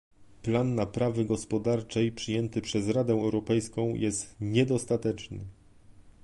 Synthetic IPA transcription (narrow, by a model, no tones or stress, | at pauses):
planːapɾavɘɡɔspɔd̪aɾt͡ʂɛjpʂɘjɛnt̪ɘpʂɛzɾad̪ɛɛwɾɔpɛjskɔ̃w̃jʔɛst̪ɲɛd̪ɔst̪at̪ɛt͡ʂnɘ